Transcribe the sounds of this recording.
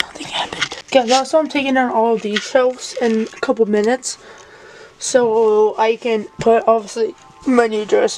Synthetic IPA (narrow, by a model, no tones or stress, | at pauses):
nʌθɪ̃ŋæpɨ̃n̥ɡ̥ɛðætsoãɪ̃mtʰeɪkɪ̃ŋə̃nɔlˠdi̥ʃʰɛsɪ̃nəkʰʌpl̩ˠmɪ̃nɨts | oʊaɪkɨ̃npʰʊɾɑbviəsli | manid͡ʒɹɛs